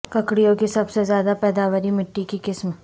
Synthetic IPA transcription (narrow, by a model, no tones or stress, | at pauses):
kɐkɽijõkisɐbsezjaːd̪apɛːd̪aːʋəɾimɪʈːikikɪsm